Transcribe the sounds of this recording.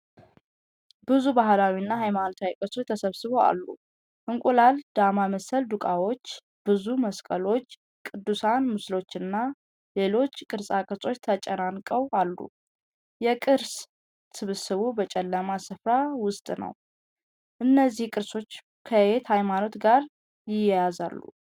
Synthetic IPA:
bɨzubaɦlawinːaɦajmanot̪ʰawikʼɨɾso̞t͡ʃt̪ʰəsəβsɨβo̞a̰lːṵ | ʔɨŋkʷʼulald̪amaməsəld̪ukʼawo̞t͡ʃː | b̥ɨzuməskʼəlo̞t͡ʃː | kʼɨd̪ːusanmɨslo̞t͡ʃːɨnːa | le̞lo̞t͡ʃːkʼɨɾsʼakʼɨɾsʼo̞t͡ʃːt̪ʰət͡ʃʼənankʼəwalːṵ | jɛkʼɨɾs | sɨβɨsɨβubət͡ʃʼɛlːəmasɨfɾawʊst̪ʼnə̰w | ʔɨnːəzːihkʼɨɾso̞t͡ʃː | kʰəet̪hajmano̞t̪ɡaɾ | jɪjɛjaza̰lːṵ

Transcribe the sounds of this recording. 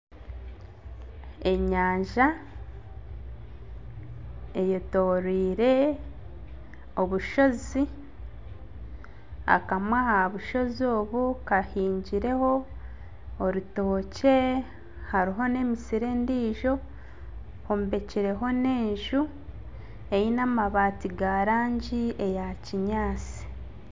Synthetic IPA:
e̞ɲaːɲʒa | ejoto̞ːɾiːɾe̞ | o̞βuʃo̞zi | a̰kamwahaβuʃo̞zio̞ːβukahiːɲɟiɾe̞ho̞ː | ɾito̞ːce̞ | haɾiɦo̞ne̞misiɾe̞ːndiːʒo̞ | hombe̞ciɾe̞ɦo̞ne̞ːɲʒu | ejinamaβaːtiɡaɾaːɲɟiejaciɲaːt͡si̥

